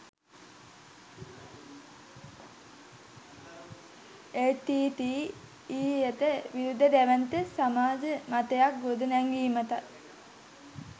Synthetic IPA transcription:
eʈːiːʈ̪iː | iːjet̪əʋiɾud̪ʱːəd̪æʋænt̪əsamaːd͡ʒəmat̪əjak̚ɡod̪unɛŋɡiːmət̪a

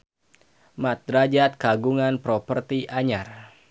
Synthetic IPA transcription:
mat̪̚ɾad͡ʒat̪̚kaɡuŋanpɾɔpərt̪iʔaɲar

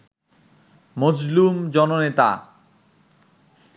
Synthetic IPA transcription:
mod͡ʑlumd͡ʑɔnonet̪a̰

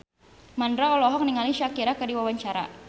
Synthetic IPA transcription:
mandɾaɔlɔɦɔk̚niŋaliʃakiɾakadiwawaɲt͡ʃaɾa̰

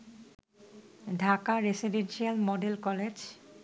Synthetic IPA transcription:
ɖʱakaɾesiɖenʃialmɔɖelkɔled͡ʑ

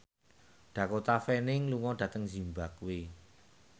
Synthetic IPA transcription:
ɖ̥ä̤kot̪afɛnɪŋluŋɔɖ̥ä̤t̪əŋzi̤mbakwe

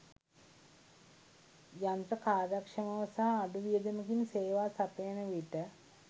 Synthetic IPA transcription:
jant̪ɾəkaːdakʂɐməʋəsaɦaːɖuʋijəd̪eməkinseːʋaːsap̪ejnəʋiʈə

